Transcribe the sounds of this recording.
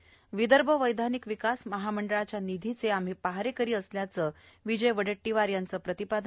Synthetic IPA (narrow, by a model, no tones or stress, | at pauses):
ʋid̪əɾbʱəʋəjd̪ʱanikʋikasməɦaməɳɖəɭat͡ɕjanid̪ʱit͡seam̤ɦiːpaɦaɾekəɾiːəsljat͡sə | ʋid͡ʑəjʋəɽəʈːiʋaɾjant͡səːpɾət̪ipad̪ʱ